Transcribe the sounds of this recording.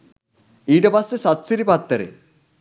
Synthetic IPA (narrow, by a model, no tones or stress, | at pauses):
iːʈɐpɐsːesɐt̪siɾipɐt̪ːɐɾḛ